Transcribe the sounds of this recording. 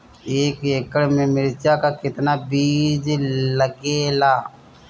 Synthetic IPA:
eːkeːkəɽmẽmɪɾt͡ʃakakɪt̪nabiːd͡ʒləɡeːlaː

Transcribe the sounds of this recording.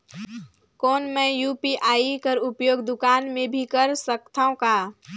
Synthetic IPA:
kɔːnmɛ̃juːpiʔaːikəɾʊpjoːɡd̪ʊkaːnmẽbʱikɐɾsəkt̪ʰaõkaː

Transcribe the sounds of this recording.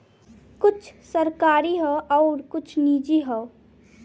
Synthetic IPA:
kʊt͡ʃʰsəɾkaːɾiɦɛʔɔːɾkʊt͡ʃʰniːd͡ʒiɦɛː

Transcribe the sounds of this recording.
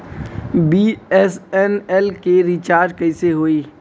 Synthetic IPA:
biɛsɛnɛlkeɾit͡ʃaːɾd͡ʒkɐɪseɦoːiː

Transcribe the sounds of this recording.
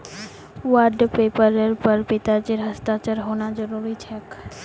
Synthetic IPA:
waɾɖpepəɾeɾpəɾbit̪ad͡ʑeɾɦəst̪at͡ʃaɾɦonad͡ʒɔɾuɾit͡ɕʰɛk

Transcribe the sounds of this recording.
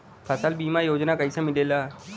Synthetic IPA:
pʰəsəlbiːmajoːd͡ʒnakəɦisemɪleːlaː

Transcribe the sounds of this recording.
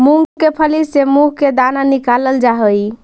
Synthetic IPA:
muŋɡkepʰəlisemuɦked̪ananikaləld͡ʒaɦəj

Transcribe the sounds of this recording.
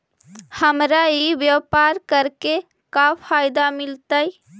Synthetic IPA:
həmɾaiʋjəwpaɾkəɾke | kapʰajɪd̪amɪlt̪əj

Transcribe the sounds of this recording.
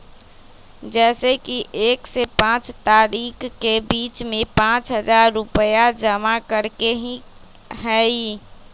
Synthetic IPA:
d͡ʒɛːsekiʔeːksepãt͡ʃt̪aɾikkːebiːt͡ʃmẽpãt͡ʃɦəd͡ʒaɾːupəjad͡ʒəmakəɾkeɦĩ | ɦɛi

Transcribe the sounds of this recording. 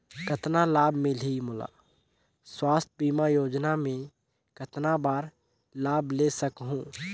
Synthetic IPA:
kət̪nalaːbmɪ̃limʊla̰ː | swaːst̪̚ʰbiːmajoːd͡ʒnamẽ | kət̪nabaːɾ | laːbleːsəkɦũː

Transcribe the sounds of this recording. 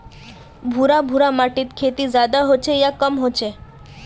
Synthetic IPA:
bʱuɾabʱuɾamaʈit̪kʰet̪izjad̪aɦot͡ʃʰejakəmɦot͡ʃʰe

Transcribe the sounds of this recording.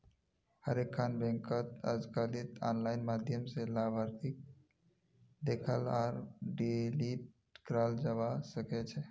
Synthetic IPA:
həɾekʰːanbɛ̃ŋkət̪ə̰d͡ʒkalit̪a̰nlaɪnmad̪ʱjəmselabʱaɾt̪ʰik̚ | d̪ekʰəlaːɾɖilip̚ʈʈkɾald͡ʒabasəkɛt͡ʃʰɛ

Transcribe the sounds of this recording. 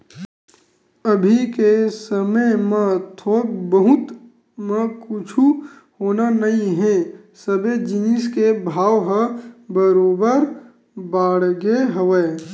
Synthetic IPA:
əbʱikesəməjmẽt̪ʰoːbəɦʊt̪ | mẽkʊt͡ʃʰu | hoːnanɐĩɦɛ̃ | səbed͡ʒɪnɪskebʱaːʋɦəbəɾoːbəɾ | baːɽɡeɦəʋə

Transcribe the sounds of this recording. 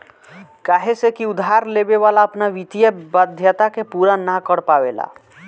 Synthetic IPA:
kaɦesekiud̪ʱɦaɾlebeβalaəpnaʋit̪ijəbəd̪ʱjət̪akepuɾanakəɽpaβela̰

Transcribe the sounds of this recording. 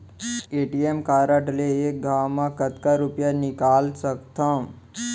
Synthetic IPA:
eːʈijemkaːɾəʈleeːk̚ɡʱaːwmãkɐt̪kaɾupjanɪkaːlsəkt̪ã

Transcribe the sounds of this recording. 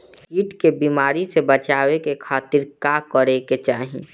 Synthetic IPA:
siːʈkebiːmaːɾisebət͡ʃaːwekekʰaːt̪ɪɾkaːkɔɾeket͡ʃaːɦĩ

